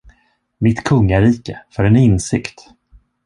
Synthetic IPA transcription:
mɪt̪kʰɵŋːaɾiːkəfœɾɛnɪnsɪkt̪

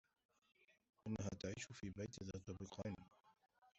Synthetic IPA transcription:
ʔɪnːaɦa̰ːt̪aʕiːʃʊfiːbajt̪ðat̪ˤɑbiqɑːn

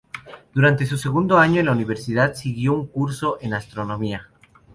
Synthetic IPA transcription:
d̪̥uɾant̪e̞s̬use̞ɣund̪oaɲoenlauniβ̞eɾsiðaðsiɣjo̞uŋkuɾso̞ʔe̞nast̪ɾo̞nõ̞mia

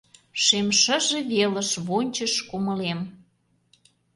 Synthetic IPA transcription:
ʃemʃə̆ʒĕβeləʃβonʲt͡ɕəʃkumə̆lem

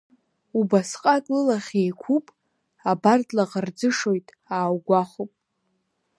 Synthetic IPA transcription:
ubasqʼatʼlɨlaχʲejkʷʰupʼ | abardlaqard͡zɨʂo̞jtʼ | aːwɡʷaχupʼ

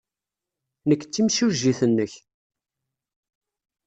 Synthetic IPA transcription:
nəkːt͡sːimʃuʒːiθənːəç

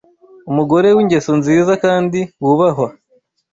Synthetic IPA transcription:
umuɡo̞ɾe̞wiɲɟe̞sonziːzakaːndiwuβaɦo

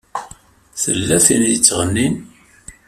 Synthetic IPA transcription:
θə̰lːæθinjət͡sːʁənːin

